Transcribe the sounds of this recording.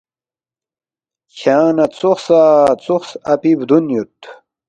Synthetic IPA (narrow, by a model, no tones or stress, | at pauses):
ɕʰaːnɐt͡suxsaːt͡suxsɐpibd̪unjut̪